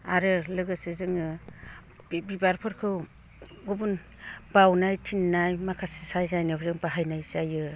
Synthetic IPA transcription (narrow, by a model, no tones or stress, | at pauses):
aɾɯlɯɡɯsɯzɯŋɯ | bibaɾpʰɯɾkʰɯw | ɡubun | b̥awnajtʰinːajmakʰasisajzajnɯbzɯŋbaɦajnajzajɯ